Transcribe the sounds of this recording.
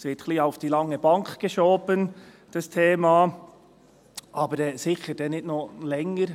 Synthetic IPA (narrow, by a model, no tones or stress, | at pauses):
sʋɪtxliːaʊfd̥iːlɑŋːəbɑŋkɡ̥əʃoːbən | d̥ɑstʰeːmɑ | ʔɑːbəɾɛsɪçəɾd̥ɛnːɪtnolɛŋəɾ